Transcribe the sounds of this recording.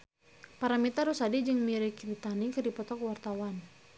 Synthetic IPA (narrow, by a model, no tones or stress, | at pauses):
paɾamit̪arusadid͡ʒɨŋmiɾikdit̪anikɨrdipɔt̪ɔkwart̪awan